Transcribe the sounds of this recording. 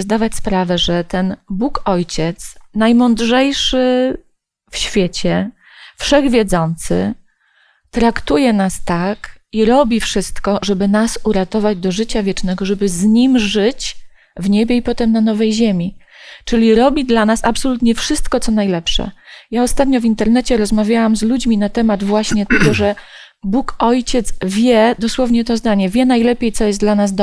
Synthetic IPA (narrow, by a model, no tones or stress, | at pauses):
zd̪avat͡ɕʲspɾavɛʐɛt̪ɛnbukɔjt͡ɕɛt̪snajmɔnd̪ʐɛjʂɘ | fɕfʲjet͡ɕɛ | fʂɛɣvʲjɛd̪zɔnt̪sɘ̰ | t̪ɾakt̪ujɛnast̪akiɾɔbʲifʂɘst̪kɔʐɛbɘnasuɾat̪ɔvad͡ʑd̪ɔʐɘt͡ɕavʲjɛt͡ʂnɛɡɔʐɛbɘzɲimʐɘt͡ɕ | vɲebʲjɛipɔt̪ɛmnanɔvɛjʑemʲi | t͡ʂɘlʲiɾɔbʲid̪lanasapsɔlut̪ɲɛfʂɘst̪kɔt̪sɔnajlɛpʂɛ̰jaɔst̪at̪ɲɔvʲint̪ɛɾnɛt͡ɕɛɾɔzmavʲjawamzlud͡ʑmʲinat̪ɛmad̪vwaɕɲɛt̪ɛɡɔʐɛ | bukɔjt͡ɕɛt̪zvʲjɛd̪ɔswɔvɲɛt̪ɔzd̪aɲɛvʲjɛnajlɛpʲjejt̪sɔjɛs̬d̪lanazd̪ɔ